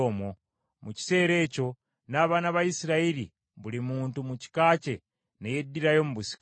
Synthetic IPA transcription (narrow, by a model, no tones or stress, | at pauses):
oːmo | muci̥se̞ːɾe̞ːco̞ | naːβaːnaβaisiɾaiɾḭ | βulimuːntumuci̥kaːce̞ | nejedːiɾajo̞muβusi̥k